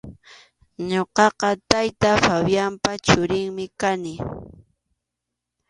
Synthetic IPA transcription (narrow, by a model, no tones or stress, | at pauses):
ɲoqɑqɑt̪ajt̪afawjampat͡ʃʊɾɪŋmɪkanɪ